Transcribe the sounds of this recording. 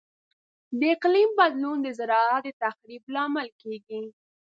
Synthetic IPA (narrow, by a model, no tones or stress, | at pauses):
d̪əɪqlimbad̪lund̪əzaɾɑat̪̚d̪ət̪axɾiblɑmalkeɡi